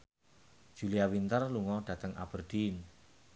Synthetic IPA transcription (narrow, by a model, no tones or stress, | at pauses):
d̥ʒ̥uliawint̪ərluŋɔɖ̥ä̤t̪əŋʔa̰b̥ərd̪̥in